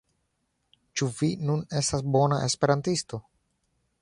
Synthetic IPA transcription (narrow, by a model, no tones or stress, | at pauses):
t͡ʃuvinune̞stasbo̞naʔe̞spe̞ɾantisto̞